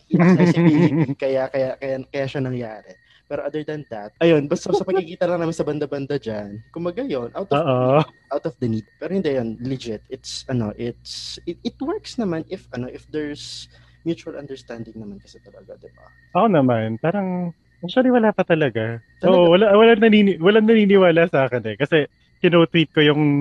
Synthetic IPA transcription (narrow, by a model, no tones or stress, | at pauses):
sɛɪiiŋkɐjakɐjakɐjakɐjaʃɐnɐŋjaːɾɛ | pɛːɾoʔɐd̪ɛɹd̪ɐnd̪ɐt̪̚ʔɐjo̞nbɐst̪ːosɐpɐɡ̚kikiːt̪ɐlɐŋaːmɪnsɐbɐnd̪ɐbɐnd̪ad͡ʒankʊmbɐɡajonʔawt̪ɔoʔoʔawt̪ɔfd̪ɐniːd̪̚pɛːɾohɪnd̪ɛjonlid͡ʒɪt̪ɪt̪sɐno̰ʔɪt̪sɪɪt̪wɛɹksnɐmanʔɪfɐnoʔɪfd̪ɛɹs | mjut͡ʃuɐlʔɐ̰nd̪ɛɹst̪and̪ɪŋnɐmankɐsɛt̪ɐlɐɡa̰d̪ɪba̰ | ʔɐkonɐmanpaːɾɐŋ | ʔakʃʊɐliwɐlaːpɐt̪ɐlɐɡaʔ̪oːʔowɐlawɐlaŋnɐniːnɪwɐlaŋnɐniːnɪwaːlɐsaːkɛnɛkɐsɛ | t̪ɪnot̪wit̪̚kojʊŋ